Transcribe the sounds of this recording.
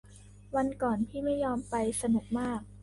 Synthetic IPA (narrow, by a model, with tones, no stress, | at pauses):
wa˧nkɔː˨˩npʰiː˥˩ma˥˩jːɔː˧mpa˧jsa˧nu˨˩k̚maː˥˩k̚